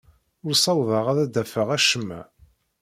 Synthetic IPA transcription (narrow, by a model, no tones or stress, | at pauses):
ʊɾsˤɑwðɑʁæðæd̪æfəʁæʃəmːæ̰